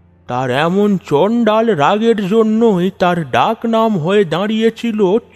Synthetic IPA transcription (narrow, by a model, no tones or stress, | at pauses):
t̪aɾɛmont͡ʃɔɳɖalɾaɡeɾd͡ʑonːojt̪aɾɖaknamɦoed̪ãɽijet͡ʃʰilo